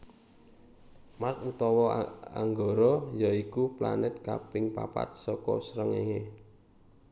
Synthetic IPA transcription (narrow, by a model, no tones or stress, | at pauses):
masut̪ɔwɔa̰ŋɡoɾɔjaikupla̰nɪt̪̚kapɪŋpa̰pa̰t̪̚sɔkɔ̰sɾəŋeŋe